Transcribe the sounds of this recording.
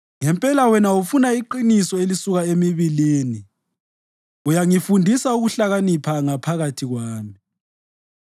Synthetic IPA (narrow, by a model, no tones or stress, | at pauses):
ŋɛmpʼɛlawɛnaufunaiǃinisɔelisuɣaemiβiliːni | ujaŋifundʱisauɣuɬaɣanipʰaŋapʰaɣatʰiɣwaːmi